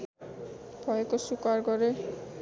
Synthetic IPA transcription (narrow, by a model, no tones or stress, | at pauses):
pʰɔjekosukaɾɡɔɾe